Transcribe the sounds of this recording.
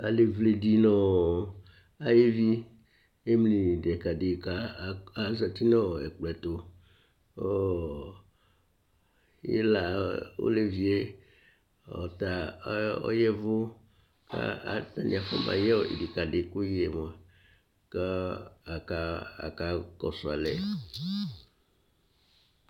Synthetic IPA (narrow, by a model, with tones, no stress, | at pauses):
a˨le˨vle˨ɖi˦nɔ̃˦˨ | a˨je˦vi˦ | e˦mli˨dɛ˨ka˨ɖe˨ka˦˨a˦za˨t̪i˦nɔ̃˦wɛ˨k͡plɛ˨t̪o˦ | o˦ | jɛ̰˦la˨wo̰˦le˦vi˨e˦ | ɔ̰˨t̪a˨˦ɔ̰˦jɛ˦vo˦ | ka̰˦a̰˨t̪a˦nḭ̃˨a˨fɔ̰˦mã̰˨jɛ˦o˦˨ḭ˨di˨ka˨ɖe˨ku˦je˨mɔ˨a˨ | ka˦a˨ka˦a̰˨ka˦kɔ˨sɔ˨a˨lɛ˦